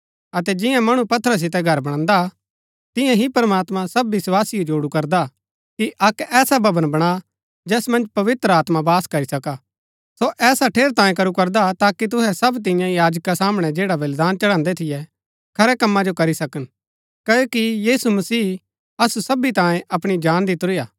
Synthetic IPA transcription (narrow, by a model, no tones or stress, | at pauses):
ɐt̪ɛd͡ʒɪ̃jãmɐɽ̃upɐt̪ʰːəɾas̬ɪt̪̬ɛɡʱɐɾbɐɽ̃ãːnd̪a | t̪ɪ̃jãɦipɐɾmaːt̪mãsɐbʋɪswaːsɪjod͡ʒoːɽukɐɾd̪a | kiʔɐkɛːsabʱɐbənbɐɽ̃a | d͡ʒɛːsmɐ̃nd͡ʒpɐʋɪt̪ɾəaːt̪mabaːskɐɾisɐkaː | soʔɛːsaʈʰeːɾt̪ãːjẽkɐɾukɐɾd̪at̪aːkit̪̬ʊɦɛsɐbt̪̬ɪ̃jãjaːd͡ʒkasaːməɽ̃ɛd͡ʒeːɽaʋɐld̪aːnt͡ʃɐɽãːnd̪ɛt̪ʰɪjɛ | kʰɐɾɛkɐmːad͡ʒokɐɾisɐkən | kɐjoːkijiːsumɐsiː | ɐsusɐbit̪ãːjẽʔɐpɽ̃id͡ʒaːnd̪ɪt̪ɾijaː